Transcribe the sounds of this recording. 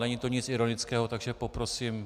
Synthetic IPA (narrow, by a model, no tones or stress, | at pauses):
nɛɲit̪o̞ɲɪt͡sɪɾo̞nɪt͡skɛːɦo̞t̪aɡʒɛpo̞pɾo̞siːm